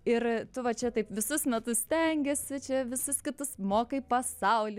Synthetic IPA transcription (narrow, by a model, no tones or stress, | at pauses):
ɪrt̪ʊʋɐt͡ʃʲɛt̪ɐɪpʋʲɪsʊsmʲɛt̪ʊssʲt̪ʲɛŋʲɡʲɛsʲɪt͡ʃʲɛʋʲɪsʊskʲɪt̪ʊsmoːkɐɪpɐsɐʊlʲɪ